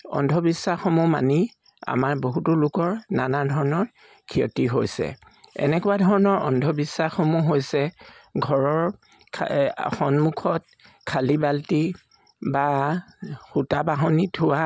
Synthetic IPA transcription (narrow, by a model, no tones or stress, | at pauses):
ɔ̰ndʱɔbisːaxomuma̰ni | a̰maɹboɦutʊlʊkɔɹnanadʱɔɹɔnɔɹ | kʰiɔ̰tiɦojsɛ̰ | ɛ̰nɛkʊadʱɔɹnɔɹɔ̰ndʱɔbisːaxomuɦojsɛɡʱɔɹɔɹʰ | xɔnmukʰɔt̚ | kʰalibalti | ba | xutabaɦonitʰʊwa